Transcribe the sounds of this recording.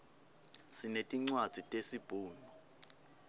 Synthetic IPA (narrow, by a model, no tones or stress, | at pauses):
sinetʼiŋ͡ǀwad̥z̥ʱitʼesib̥ʱuːnɔ